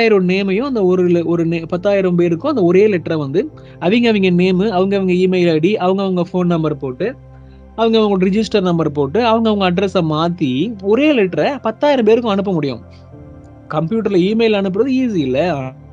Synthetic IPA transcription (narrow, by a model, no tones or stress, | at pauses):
aːjɪɾɐ̃neːmɐjʊ̃ɐnd̪ɐɔɾɯlɔɾɯnepɐt̪ːaːjɪɾɐmp̬eːɾɯkːʊ̃ɐnd̪ɐɔɾeːlɛʈːɾɐʋɐnd̪ɯ | ɐʋɪŋɡɐʋɪŋɡɐneːmɯɐʋɐŋɡɐʋɐŋɡɐiːmɐɪlɐɽiʔɐʋɐŋɡɐʋɐŋɡɐfoːnnɐmbɐɾpoːʈːɯ | ɐʋɐŋɡɐʋɐŋɡɐɽɾɪd͡ʒɪsʈɐɾnɐmbɐɾpoːʈːɯɐʋɐŋɡɐʋɐŋɡɐːɖɾɛsɐ̃maːt̪ːiɔɾeːlɛʈːɾɐpɐt̪ːaːjɪɾɐmpeːɾɯkːʊ̃ɐɳɯp̬ːɐmʊɽɪjʊ̰̃ | kɐmpjuːʈ̬ːɐɾlɐiːmɐɪlɐnɯp̬ːɯɾɐðɯiːs̬iɪlːɐ